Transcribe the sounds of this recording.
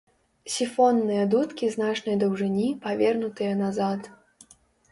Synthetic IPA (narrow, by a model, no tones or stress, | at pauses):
sʲifɔnːɨjɐd̪ut̪kʲiznat͡ʂnɐjd̪ɐwʐɨnʲipavʲɛrnut̪ɨjɐnazat̪